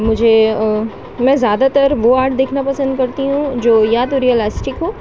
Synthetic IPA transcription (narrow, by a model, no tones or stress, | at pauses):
mʊd͡ʒʱe | mɛ̃zjaːd̪at̪əɾʋoaːɾʈd̪eːkʰnapɐsə̃nd̪̚kɐɾt̪iɦũd͡ʒoːjaːd̪ɾiəlaːsʈɪkɦoː